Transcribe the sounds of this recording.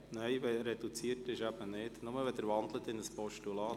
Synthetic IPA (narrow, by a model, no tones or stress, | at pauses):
nɛɪʋɛɾɛd̥ut͡siːətɪʃæb̥ənɪtnʊməʋɛd̪əɾvɑnd̪lətɪnəspɔʃtulɑː